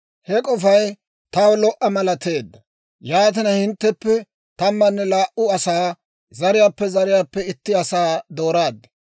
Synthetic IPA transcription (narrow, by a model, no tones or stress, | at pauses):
hɛkʼɔfɐj | t̪ɐwlɔʔɐmɐlɐt̪e̞ːd̪ːɐ | jaːt̪̬ɪnɐhɪnt̪ːɛpːɛ | t̪ɐmːɐnːɛlaːʔʊɐsaː | zɐɾɪjaːpːɛzɐɾɪjaːpːɛɪt̪ːɪɐsaːd̪o̞ːɾaːd̪ːɐ̥